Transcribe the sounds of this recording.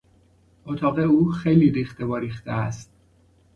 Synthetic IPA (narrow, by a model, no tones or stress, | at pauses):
ot̪ʰɒːɣeuːxejliɾiːxt̪evɒːɾiːxt̪eæst̪̚